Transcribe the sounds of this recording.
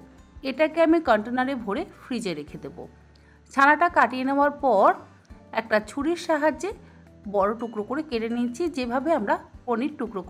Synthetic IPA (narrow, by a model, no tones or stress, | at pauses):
eʈakeamikɔɳʈenaɾebʱoɾefɾid͡ʑeɾekʰed̪ebo̰ | t͡ɕʰanaʈakaʈijeneoaɾpɔɾ | ɛk̚ʈat͡ɕʰuɽiɾʃaɦad͡ʑe | bɔɽoʈukɾokoɾekeɾenit͡ɕʰid͡ʑebʱabeamɾaponiɾʈukɾoko